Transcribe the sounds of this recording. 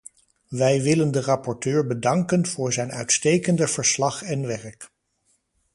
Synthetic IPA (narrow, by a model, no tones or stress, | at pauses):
ʋɛjʋɪləndərɑpɔɹtøːɹbədɑŋkənv̥ʊːɹzɛjnœɥtstejkəndəv̥əɹslɑχɛnʋɛɹk